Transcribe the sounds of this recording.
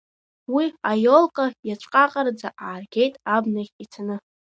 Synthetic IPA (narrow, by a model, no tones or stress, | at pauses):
wiajolˠqʼajat͡ʃʷʰʼqʼaqʼard͡zaʔaːrɡʲejtʼabnaχʲit͡sʰanɨ